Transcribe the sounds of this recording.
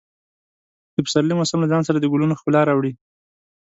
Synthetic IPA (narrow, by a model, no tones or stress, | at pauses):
d̪̥əpə̥saɾlimosamlazɑnsaɾad̪əɡʊlunoxpəlɑɾɑwɽi